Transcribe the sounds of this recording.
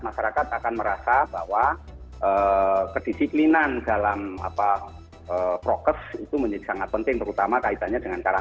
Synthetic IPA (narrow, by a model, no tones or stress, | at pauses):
maʃaɾakat̪akanməɾasab̥awa | ʔəkəd̥isiplinandalama̰pa | əpɾokəsit̪uməɲd͡ʒədi̥saŋat̪̚pənt̪ɪŋt̪əɾut̪amakait̪aɲadəŋant͡ʃaɾa